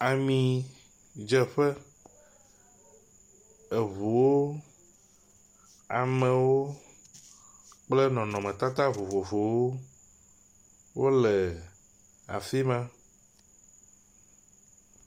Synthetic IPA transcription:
a˨mĩ˨ | d͡ʒɛ˨ɸɛ˦ | ɛ˨vu˨wo˦ | a˨mɛ̃˨wo˦ | k͡plɛ˦nɔ̃˨nɔ̃˨mɛ̃˨t̪a˦t̪a˦vo˨vo˨vo˨wo˦ | wo˦lɛ˨ | a̰˨fi˦mã˦

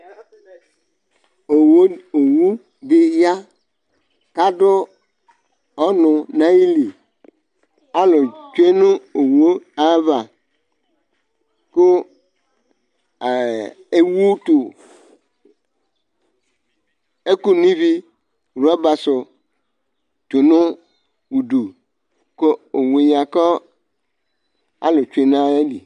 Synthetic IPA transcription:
o˨wu˦ | di˦hja˦ | ka˦dʊ˦ | ɔ˦nʊ˨na˦ji˦li˨ | a˦lo˨t͡ʃe˦nu˦o˨wo˦a˦βa˨ | kʊ˦˨ | e˦wu˦t̪ʊ˨ | e˦ku˦nĩ˦vi˦˨ | ɾa˦ba˨sʊ˨ | t̪ʊ˨nʊ̃˦ | wu˨ɖu˨ | ko˦o˨we˨ɲ˨ã˨kɔ˦ | a̰˦lo˨t͡ʃu˦e˦nã˦e˦lḭ˨

